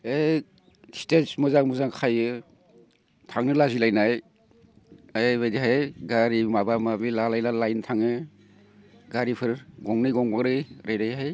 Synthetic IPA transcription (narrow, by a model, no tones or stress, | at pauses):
e | stetsmuzaŋmuzaŋkʰajɯ | tʰaŋnɯlazilajnaj | ajbajdiɦajɡaɾimabamabilalajnalajntʰaŋɯ | ɡaɾipʰɯɾɡɔŋnɯjɡɔŋbaɡɾɯjɾʔajɾajɦaj